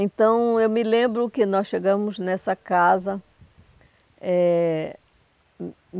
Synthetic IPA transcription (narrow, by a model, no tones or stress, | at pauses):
ẽnt̪ɐ̃w̃ewmɪlẽmbɾʊkɪnɔsʃeɡɐ̃mʊznɛsɐkazɐ | ɛ